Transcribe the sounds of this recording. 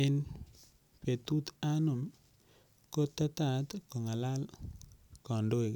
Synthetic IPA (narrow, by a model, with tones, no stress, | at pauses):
e˨n | pe˨t̪u˦t̪a˦nʊ˨m | ko˦tːa˦ta˦˨t̪kɔ˨ŋa˨la˦l | kɔ˨ndo˦e˨k